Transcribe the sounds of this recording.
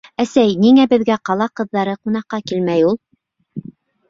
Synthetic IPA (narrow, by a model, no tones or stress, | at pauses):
æsæjniŋæbɘ̆ðɡæqɑlˠɑqɤ̆ðːɑɾɤqunɑqːɑkilmæjulˠ